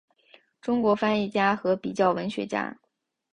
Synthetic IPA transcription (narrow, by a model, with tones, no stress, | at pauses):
ʈ͡ʂʊ˥ŋkwɔ˧˥fa˥ni˥˩t͡ɕja˥xɤ˧˥pi˨˩t͡ɕjɑ˥˩ʊwə˧˥nɕɥɛ̰˧˥t͡ɕja̰˥